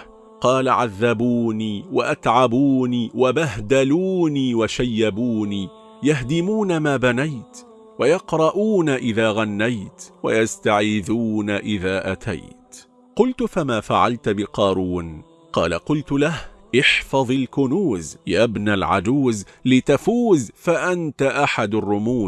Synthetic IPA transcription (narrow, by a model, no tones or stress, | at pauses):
qɑːlaʕaðːabuːniːwa̰ʔat̪ʕabuːniːwabaɦd̪aluːniːwaʃajːabuːniː | jaɦd̪ɪmuːnamaːbanajt̪ | wajɑqɾˤɑʔuːnaʔɪðaːɣanːajt̪wa̰jast̪aʕiðuːnaʔɪðaːʔat̪ʰa̰jt̪ | qʊlt̪ʊfamaːfaʕa̰lt̪bɪqɑːɾˤuːn | qɑ̰ːla̰qʊlt̪ʊlahʔɪħfɑðˤɪlkʊnuːzjabnalʕa̰d͡ʒ̪uːzlɪt̪afuːzfaʔant̪aʔaħad̪arˤːʊmuː